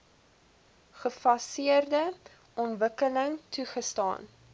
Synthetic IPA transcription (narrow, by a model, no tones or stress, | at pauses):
χəfɐsiərdə | ʔɔnvəkələŋtʰuχəstɑ̰ːn